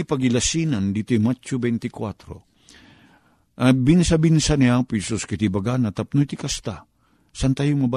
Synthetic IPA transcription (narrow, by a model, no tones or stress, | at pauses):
ipɐɡɪlɐsinand̪it̪ojmat͡ʃʊbɛnt̪ɪkwat̪ɾo̰ | ʔɐbinsabinsanɪaŋpisoskɐt̪ibɐɡanat̪ɐp̚nojt̪ikast̪a | sant̪ajʊŋmɐba